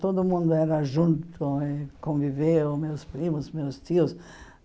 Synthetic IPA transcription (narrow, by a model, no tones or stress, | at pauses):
t̪od̪ʊmũnd̪ʊɛɾɐʒũnt̪ʊɪkõvivemewspɾimʊsmewst̪iʊs